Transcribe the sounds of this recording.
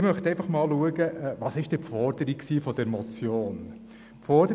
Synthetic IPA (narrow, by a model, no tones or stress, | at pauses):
ɪmœχt̪ɛɪfɑχmɑːlluəɡəʔvɑːsɪʃtd̥ɛfɔɾd̥əɾiksiːfɔd̥ɛɾmɔt͡sjoːn | pfɔɾd̥ə